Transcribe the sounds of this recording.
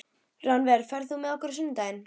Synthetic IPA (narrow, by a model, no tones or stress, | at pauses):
ranvɛɾfɛɾθumɛðɔhkəɾsʏnd̪ajn